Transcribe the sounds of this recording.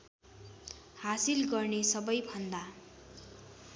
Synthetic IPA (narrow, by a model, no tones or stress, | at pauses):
hasilɡʌrnesʌbʌjbʱʌnd̪a